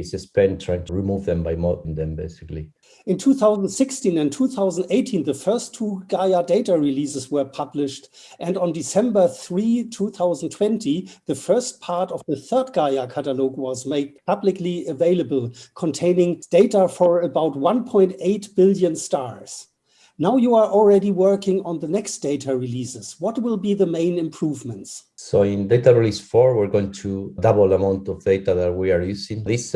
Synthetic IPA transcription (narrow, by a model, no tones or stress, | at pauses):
sɨspɛ̃ɪ̃ntʰɹ̥aɪɪ̃ŋtʰəɹimuvðɛ̃mbaɪmɔʔn̩ðɛ̃mbeɪsɪkli | ɪ̃ntʰuθaʊzn̩dsɪkstĩnɨ̃ntʰuθaʊzn̩deɪtʰĩnðəfɜ˞stʰːuːɡaɪədeɪtaɹilisɨswə˞pʰʌblɪʃt | ʔɨ̃nd̃n̩dɪsɛ̃mbə˞θɹitʰuθaʊzn̩tʰw̥ɛ̃ntiðəfɜ˞st̚pʰaɹtɔvðəθɜ˞d̚ɡaɪakʰæɾəlɔʊɡwɔzmeɪd̚pʰʌblɪkliəveɪləbəl̩ˠkʰɔ̃ntʰẽɪ̃nɪ̃ŋd̥eɪtafɔ˞əbaʊt̚wãnpʰɔ̃ɪ̃nteɪtb̥ɪljɨ̃nstɑɹs | naʊjua˞ʔɔl̩ˠɹɛɾiwɜ˞kɪ̃ŋə̃nðənɛksd̥eɪtʰaɹilisɪz̥wʌt̚wɪlˠbiðəmẽɪ̃nɨ̃mpʰɹ̥uvmə̃ntssoɪ̃nd̪eɪtaɹilisfɔɹwiɹɡoɪ̃ŋtʰudabl̩amãʊ̃ntɔvd̥̪eɪtaðæt̚wiaɹjusɪ̃ŋðis